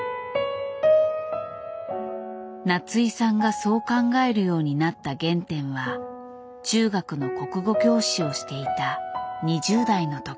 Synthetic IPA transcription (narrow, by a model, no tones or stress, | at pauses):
nat͡sɨisãŋɡaso̞ːkãŋɡae̞ɾɯ̟jo̞ːɲ̟inat̪ːaɡẽ̞nt̪ẽ̞ɰ̃βa | t͡ɕɨːɡakɯ̟no̞ko̞kɯ̟ɡo̞kʲo̞ːɕio̞ɕi̥t̪e̞it̪aɲ̟iʑɨːd̪aino̞t̪o̞i